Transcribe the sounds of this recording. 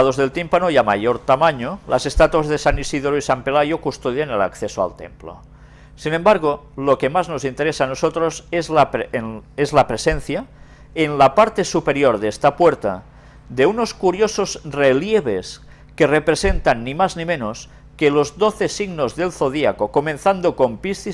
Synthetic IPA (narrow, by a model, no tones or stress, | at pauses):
aðozðe̞lt̪impanoiama̰joɾt̪amaɲolase̞st̪at̪uwazðesanisiðoɾoisampelajokust̪oðjanela̰kθesoa̰lt̪e̞̰mplo̰ | sinembaɾɣ̞o | lokemazno̞sint̪e̞ɾesaːnosot̪ɾosezlapezlapɾesenθja | enlapaɾt̪e̞supeɾjoɾðest̪apweɾt̪a̰ | ðeuno̞skuɾjosozreljeβ̞es | kerepɾesent̪anːimaznimenos | kelozd̪oθesiɣnozðelθoðiakokomenθand̪oko̞mpist̪i